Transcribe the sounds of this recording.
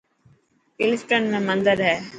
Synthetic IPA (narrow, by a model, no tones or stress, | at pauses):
ɪlɪsʈənmẽmə̃nd̪əɾɦɛː